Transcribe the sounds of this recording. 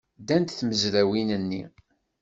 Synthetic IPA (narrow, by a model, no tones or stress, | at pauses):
d̪ænt̪θməzɾæwinənːi